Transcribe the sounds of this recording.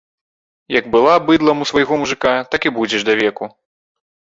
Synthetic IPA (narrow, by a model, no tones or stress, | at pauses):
jɐɡbɨlˠabɨd̪lˠɐmusvajɣɔmuʐɨkat̪akibud͡zʲɛʐd̪ɐvʲɛku